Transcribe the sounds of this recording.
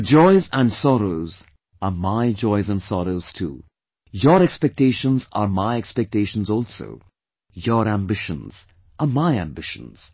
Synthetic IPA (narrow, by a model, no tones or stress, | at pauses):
d͡ʒɔɪzæ̃nsɔɾoʊz | əmaɪd͡ʒɔɪzə̃nsɔɾoʊz̥tʰṵː | jɔɾɛkspɛk̚teɪʃə̃nza̰ɾmaɪɛkspɛk̚teɪʃə̃n̩zɔːlˠso̰ʊ | jɔɾæ̃mbɪʃə̃nz̥ | ʔəmaɪæ̃mbɪʃə̰̃nz̥